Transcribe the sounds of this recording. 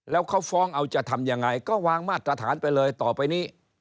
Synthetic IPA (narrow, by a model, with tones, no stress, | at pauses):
lɛː˦˥wkʰa˦˥˩wfɔː˦˥˩ŋʔa˧wt͡ɕa˨˩t̪ʰa˧mjaː˧ŋːa˧jkɔː˥˩waː˧ŋmaː˥˩t̪̚ːɾa˧t̪ʰaː˩˦npa˧jlɤː˧jt̪ɔː˨˩pa˧jniː˦˥˩